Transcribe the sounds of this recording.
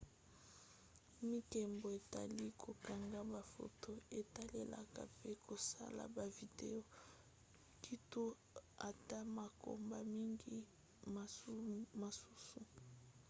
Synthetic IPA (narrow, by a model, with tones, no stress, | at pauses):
mi˦kɛ˨mbo˨e˨ta̰˨li˦kʰo˨ka˨ŋɡa˦ba˨fo̰˨to˦e˨ta˦le˨la̰˨ka̰˨pe˦kʰo˨sa̰˦la̰˨ba˨vi˨de˨o˨ | ki˦to˦ | a˨ta˦ma˨ko̰˨mba˨mi˦ŋɡi˦˨ | ma˨su˦su˨